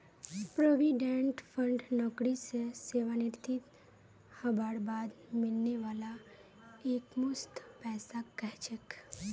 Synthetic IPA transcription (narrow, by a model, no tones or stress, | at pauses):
pɾoːʋiɖẽɳʈpʰə̃ɳɖnɔːkɽiseseːʋanɪɾt̪ɪt̪ | hɐbaːɽbaːd̪mɪlneʋaːla | eːkmʊst̪ʰpɛːsakɛɦt͡ʃək